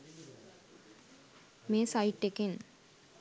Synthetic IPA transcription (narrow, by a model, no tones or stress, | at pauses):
meːsaiʈːekin